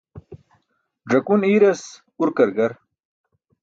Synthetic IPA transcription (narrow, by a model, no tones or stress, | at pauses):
ʐɐkuniːɾɐs | uɾkɐɾɡɐɾ